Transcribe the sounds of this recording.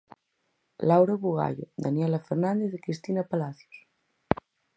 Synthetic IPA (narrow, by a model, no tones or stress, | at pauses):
lawɾaβuɣa̰ʎo̰d̪anjɛlafeɾnãnd̪eθðekɾist̪inapalaθjo̥s